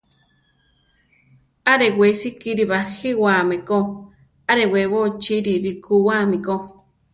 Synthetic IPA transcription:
aɾewesikiɾiβaxiwameko | aɾewewot͡ʃiɾiɾikuwamiko

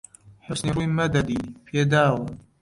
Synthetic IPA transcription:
ħʊsniɾumad̪ad̪ipʰed̪aːwa

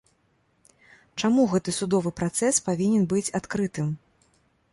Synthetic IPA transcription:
t͡ʂamuɣɛt̪ɨsud̪ɔvɨpɾat̪sɛspavʲinʲɛnbɨt͡sʲat̪kɾɨt̪ɨm

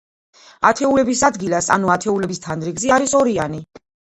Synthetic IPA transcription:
at̪ʰɛulɛbisad̪ɡilasa̰nuat̪ʰɛulɛbist̪ʰanɾiɡziaɾisɔɾiani

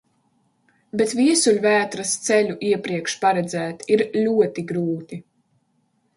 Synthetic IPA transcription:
bet̪vʲiɛsulʲvæːt̪ɾast̪sɛlʲuʔiɛpɾiɛkʃpaɾɛd̪zæːt̪iɾlʲuɔt̪iɡɾuːt̪i

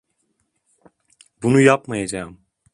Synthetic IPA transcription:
bunujapmajad͡ʒaːɯm

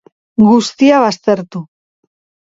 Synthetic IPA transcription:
ɡust̪iaβ̞ast̪e̞ɾt̪u

